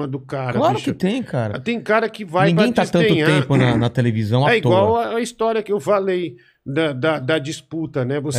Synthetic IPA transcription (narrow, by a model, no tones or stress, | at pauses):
ɐd̪ʊkaɾɐlaɾiʊʃkɪt̪ẽj̃kʰaɾɐ̰tt̪ẽj̃kaɾɐkɪvanj̪ĩɡẽj̃t̪ast̪ɐ̃nẽʊ̃ɲaẽmpʊnɐnɐt̪elevizɐ̃w̃aɛiɡowawɐɐist̪ɔɾiɐkɪewfalej | d̪ɐd̪ɐd̪ɐd͡ʒisput̪ɐnɛvos